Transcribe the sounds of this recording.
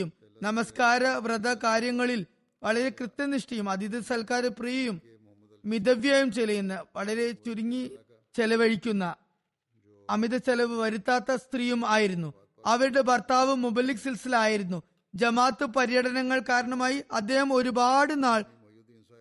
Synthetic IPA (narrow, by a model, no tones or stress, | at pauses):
um | nɐmɐskaːɾɐʋrɐd̪ɐkaːɾjɐŋːɐɭil | ʋɐɭɐɾe̞krɨt̪ːɐniʂʈɐjumɐd̪iðɐsɐlkaːɾɨprijɐjum | mid̪ɐʋjaːjumt͡ɕelɐjunːɐʋɐɭɐɾe̞t͡ɕuɾiŋːi | t͡ɕelɐʋɐɻikʲːunːɐ | miðɐt͡ɕelɐʋɨʋɐɾut̪ːaːt̪ːɐst̪rijumaːjiɾunːu | ɐʋɐɾuɽe̞bɐrt̪aːʋɨmubɐlːiksilsilaːjiɾunːu | d͡ʑɐmaːt̪ːɨpɐɾijɐɽɐnɐŋːɐɭkaːɾɐɳɐmaːjiʔɐd̪ːe̞ːhɐmo̞ɾubaːɽɨnaːɭ